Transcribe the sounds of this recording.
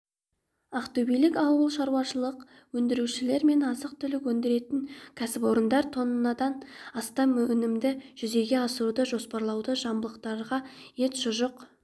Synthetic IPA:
ɑqt̪ɵwbijlɪkɑwəlˠʃɑɾwɑʃəlˠəq | wɵnd̪ɪɾuʃɪle̞ɾme̞nɑzəq̚t̪ʰʏlɪkwɵnd̪eɾe̞t̪ɪŋkʲʰæsɪpwo̞ɾənd̪ɑɾt̪ʰo̞nənɑd̪ɑnɑst̪ɑmːɵnɪmd̪ɪʒ̥ʏze̞ɡʲe̞ɑsəɾud̪əʒo̞spɑɾlˠɑwd̪əʒɑmbəlˠəqt̪ɑɾʁɑje̞t̪ʒʊʒəq

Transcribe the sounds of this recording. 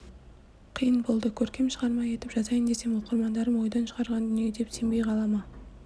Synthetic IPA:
qʰijənbo̞lˠd̪əkʲʰɵɾkʲe̞mʃəʁɑɾmɑje̞t̪ɪpʒɑzɑjənd̪e̞se̞moqəɾmɑnd̪ɑɾəmwo̞jd̪ɑnʃəʁɑɾʁɑnd̪ʏnijed̪e̞pse̞mbejqʰɑlˠɑmɑ

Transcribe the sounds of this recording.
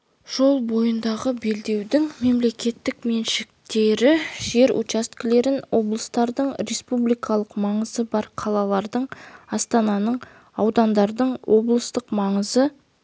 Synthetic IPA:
ʒ̥o̞lˠbo̞jənd̪ɑʁəbe̞ld̪e̞wd̪ɪŋme̞mle̞kʲe̞t̪ːɪkme̞nʃɪk̚t̪e̞ɾɪʒe̞ɾṵt͡ʃast̪kʲɪle̞ɾɪnwo̞blˠəst̪ɑɾd̪əɴɾe̞spublijkʰɑlˠəqmɑɴəzəbɑɾqʰɑlˠɑlˠɑɾd̪əɴɑst̪ɑnɑnəɴ | ɑwd̪ɑnd̪ɑɾd̪əɴwʔo̞blˠəst̪əqmɑɴəzə

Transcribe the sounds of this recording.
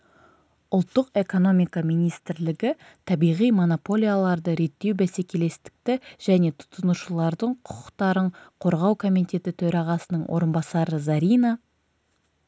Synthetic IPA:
ʊlˠt̪ːəqe̞ko̞no̞mijkamijnijst̪ɪɾlɪɡʲɪ | t̪ʰɑbijʁijmo̞nopo̞lʲijalˠɑɾd̪əɾe̞t̪ːe̞wbæse̞kʲe̞le̞st̪ɪ̥k̚t̪ɪʒ̥æne̞t̪ʰʊ̥t̪ənuʃəlˠɑɾd̪əɴqʰʊ̥qə̥qt̪ɑɾəɴqʰo̞ɾʁɑwkʰo̞mijt̪e̞t̪ɪt̪ʰɵɾɑʁɑsənəɴwʔo̰ɾənbɑsɑɾəzaɾijna

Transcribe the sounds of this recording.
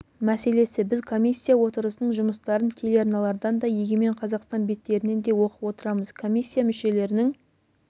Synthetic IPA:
mæse̞le̞sɪbɪzkʰo̞mʲijsʲːijawo̞t̪əɾəsənəɴʒʊməst̪ɑɾənt̪ʲʰe̞leaɾnɑlˠɑɾd̪ɑnd̪ɑjeɡʲeme̞ɴqʰɑzɑqst̪ɑnbe̞t̪ːe̞ɾɪne̞nd̪e̞wo̞qəpwo̞t̪əɾɑməz̥kʰo̞mʲijsʲːijamʏʃe̞le̞ɾɪnɪŋ

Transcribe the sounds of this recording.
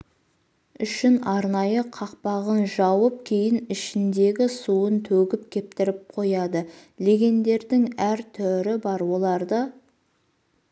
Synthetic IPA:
ʏʃɪnɑɾnɑjəqʰɑq̚pɑʁənʒɑwəp̚kʲʰe̞jɪnɪʃɪnd̪e̞ɡʲɪsuənt̪ʰɵɡʲɪp̚kʲʰe̞p̚t̪ɪɾɪp̚qʰo̞jɑd̪əlʲe̞ɡʲe̞nd̪e̞ɾd̪ɪŋæɾt̪ʰɵɾɪbɑɾwo̞lˠɑɾd̪ə

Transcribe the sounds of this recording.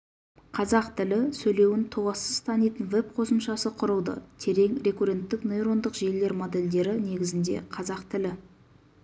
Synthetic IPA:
qʰɑzɑqt̪ʰɪlɪsɵjle̞wɪnt̪ʰowɑsəz̥t̪ʰɑnijt̪ənve̞p̚qʰo̞səmʃɑsəqʰʊɾəlˠd̪ə̰t̪ʰe̞ɾe̞ŋɾe̞kuɾe̞nt̪ːɪkno̞jɾo̞nd̪əqʒe̞le̞ɾmo̞d̪e̞ld̪e̞ɾɪne̞ɡʲɪzɪnd̪e̞̰qʰɑzɑqt̪ʰɪlɪ

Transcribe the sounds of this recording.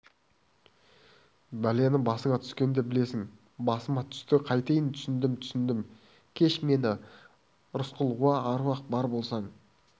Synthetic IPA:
bælenɪbɑsəɴɑt̪ʰʏ̥skʲe̞nd̪e̞bɪle̞sɪŋ | bɑsəmɑt̪ʰʏ̥st̪ɪqʰɑjt̪ejɪnt̪ʰʏ̥sɪnd̪ɪmt̪ʰʏ̥sɪnd̪ɪm | kʲʰe̞ʃme̞nɪ | ɾʊsqəlˠwɑːɾuwɑq̚bɑɾbo̞lˠsɑɴ

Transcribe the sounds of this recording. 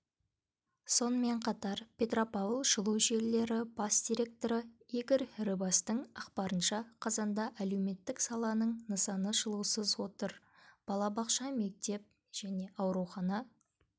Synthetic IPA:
so̞nəme̞ɴqʰɑt̪ɑɾpʲʰe̞t̪ropɑvlˠʒəlˠuwʒe̞lle̞ɾɪb̥ɑsd̪̥ʲiɾʲe̞k̚t̪o̞ɾəeɡʲɪɾɾɨbɑst̪əɴɑqpɑɾənʃɑqʰɑzɑnd̪ɑʔælewme̞t̪ːɪksɑlˠɑnəɴnəsɑnəʒəlˠuwsəzwo̞t̪əɾ | b̥ɑlˠɑbɑqʃɑme̞k̚t̪e̞p̚ | ʒ̥æne̞ʔɑwɾuwχɑnɑ

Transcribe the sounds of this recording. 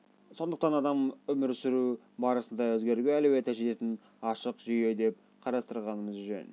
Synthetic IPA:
so̞nd̪əq̚t̪ɑnɑd̪ɑmʏmɪɾsɪɾu | bɑɾəsənd̪ɑwɵzɡʲe̞ɾɡʲeælewe̞t̪æʃet̪e̞t̪ɪn | ɑʃəqʒʏje̞d̪e̞p̚ | qʰɑɾɑst̪əɾʁɑnəməzʒø̰n

